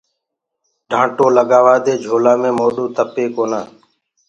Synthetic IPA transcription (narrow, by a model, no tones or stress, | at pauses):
ɖʱãːʈoːləɠaːʋaːd̪eːd͡ʒʱoːlaːmẽːmoːɗuːt̪əpeːkoːnaː